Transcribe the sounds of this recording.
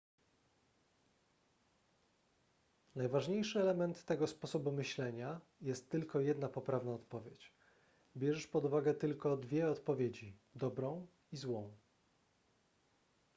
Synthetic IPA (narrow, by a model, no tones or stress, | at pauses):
najvaʐɲejʂɘɛlɛmɛnt̪ːɛɡɔspɔsɔbumɘɕlɛɲa | jɛst̪ːɘlkɔjɛd̪napɔpɾavnaɔt̪pɔvʲjet͡ɕ | bʲjɛʐɛʂpɔd̪uvaɡɛt̪ɘlkɔd̪vʲjɛɔt̪pɔvʲjed͡ʑid̪ɔbɾɔ̃w̃ | izwɔ̃w̃